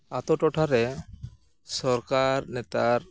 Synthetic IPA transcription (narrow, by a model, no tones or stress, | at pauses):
at̪ɔʈɔʈʰaɾɛ | sɔɾkaɾnɛt̪aɾ